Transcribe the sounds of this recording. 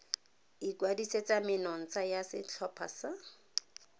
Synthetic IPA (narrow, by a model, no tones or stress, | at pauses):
ikwadiset͡sʼamɪnɔn̩t͡sʼajasɪt͡ɬʰɔpʰa̰sa